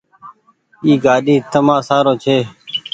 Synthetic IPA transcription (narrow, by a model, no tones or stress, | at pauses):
iːɡaːɗiːt̪əmãːsaːɾoːt͡ʃʰeː